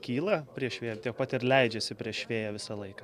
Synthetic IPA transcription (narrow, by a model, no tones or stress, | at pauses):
kʲiːlˠɐpʲɾʲiɛʃʲʋʲeːjt̪ʲiɛk̚pɐt̪ɪɾlʲɛɪd͡ʒʲɛsʲɪpʲɾʲiɛʃʃʲʋʲeːjɛʋʲɪsɐlˠɐɪkɐː